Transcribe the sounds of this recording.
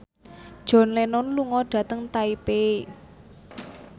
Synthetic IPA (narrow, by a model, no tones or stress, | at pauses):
d̥ʒ̥ɔ̤nlenʊnluŋɔɖ̥ä̤t̪əŋt̪aipe